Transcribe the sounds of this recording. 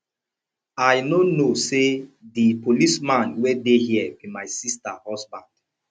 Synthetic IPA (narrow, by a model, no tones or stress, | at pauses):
ajnonosedipolismãnwɛdehiɛbimajsistahɔsbãnd̥